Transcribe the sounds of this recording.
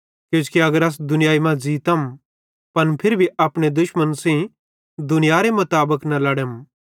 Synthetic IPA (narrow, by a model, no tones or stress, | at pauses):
kjõːt͡ʃkiɐɡəɾɐs̬d̪ʊnɪjaːimãd͡ʒiːt̪ɐm | pɐnpʰɪɾbʱiaːpɽ̃ed̪ʊʃmə̃nsĩ | d̪ʊnɪjaɾemʊt̪aːbəknɐlɐɽem